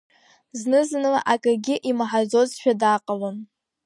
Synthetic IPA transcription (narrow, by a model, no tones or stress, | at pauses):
znɨznɨla̰ʔakʼaɡʲɪʔimaħazo̞zʃᶣadaqʼəlon